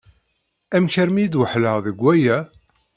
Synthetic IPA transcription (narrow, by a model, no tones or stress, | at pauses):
æmçəɾmijd̪wəħləʁðəɡʷːæjæ